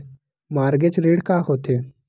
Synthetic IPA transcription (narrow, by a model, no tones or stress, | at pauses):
maːɾɡet͡sɾeːɽkaɦot̪e